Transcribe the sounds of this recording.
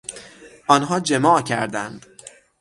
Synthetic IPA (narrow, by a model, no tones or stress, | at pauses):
ʔɒːnɦɒːd͡ʒemɒːcʰæɾd̪ænd̪̥